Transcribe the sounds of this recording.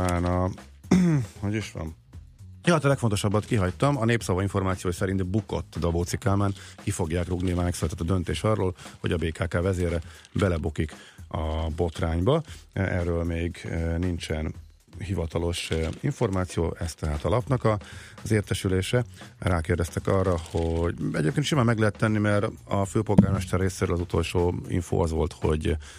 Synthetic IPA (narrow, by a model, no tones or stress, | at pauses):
aːnɒ | hoɟiʃʋɒ̰n | jot̪ːlɛkfont̪oʃɒbːɒt̪kiɦɒct̪ɒmɒneːpsɒvɒiɱfo̞rmaːt̪sijoːjsɛɾint̪buko̞̰t̪ːd̪ɒboːt̪sikaːlmaːnkifo̞ɡjaːkroɡnimɛksylɛt̪ɛt̪ːɒd̪ønt̪eːʃɒrːoːlho̞ɟɒbeːkaːkaːvɛzeːrːɛ | bɛlɛbokikɒbo̞t̪raːɲbɒɛ̰rːøːlmeːɡnint͡ʃɛn | hivɒt̪ɒlo̞ʃiɱfo̞rmaːt̪sijoːʔɛst̪ɛɦaːt̪ɒlɒpnɒkɒzeːrt̪ɛʃyleːʃɛraːkeːrd̪ɛst̪ɛkɒrːɒho̞ɟɛ̰ɟeːp̚kenʃimaːmɛɡlɛɦɛt̪ːɛnːimɛɾɒføːpo̞lɡaːrmɛʃt̪ɛrːeːseːɾø̰ːlɒzut̪o̞lʃoːḭɱfo̰ːʔɒzʋo̞lt̪ho̞̰ɟ